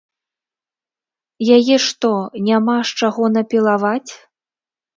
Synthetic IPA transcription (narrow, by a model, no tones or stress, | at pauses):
jajɛʂt̪ɔnʲamaʂt͡ʂaɣɔnɐpʲilˠavat͡sʲ